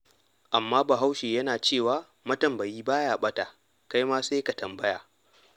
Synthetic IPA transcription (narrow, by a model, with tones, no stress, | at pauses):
ʔa˨mːaː˦ba˨ɦa˦wʃeː˨jɐ˦naː˨t͡ʃeː˦˨waː˦ | mɐ˦tɐ˨mbɐ˨jiː˦baː˦jaː˨ɓɐ˦ta˨ | ka˦jmaː˦se˦jka˨tɐ˨mbɐ˦jaː˨